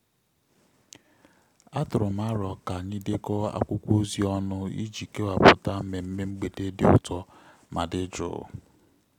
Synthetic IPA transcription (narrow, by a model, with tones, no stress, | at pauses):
a˦tʊ˨ɾʊ˨ma˦ɾɔ˨ka˨ɲi˦de˦kɔ˦a̰˦kʷʊ˦kʷo˦zi˨˦ɔ˦nʊ˦ḭ˦d͡ʒi˨ke˦wa˨pʊ˨ta˦m̩˦me˨m̩˦me˦ŋ͡m̩˦ɡ͡be˨de˦dɪ˦ʊ˦tɔ˦ | ma˨dɪ˦d͡ʒʊ̰˨